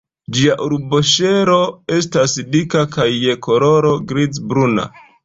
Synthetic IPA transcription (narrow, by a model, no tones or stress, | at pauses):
d͡ʒiaʔuɾboʃe̞ɾo̞e̞stasdikakajːe̞ko̞ɾo̞ɾo̞ɡɾit͡sbɾuna̰